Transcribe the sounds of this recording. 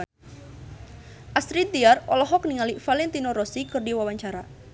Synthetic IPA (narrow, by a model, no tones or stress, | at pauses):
ʔasɾid̪iarɔlɔɦɔkniŋalifalɛnt̪inɔɾɔsikərɖiwawaɲt͡ʃaɾa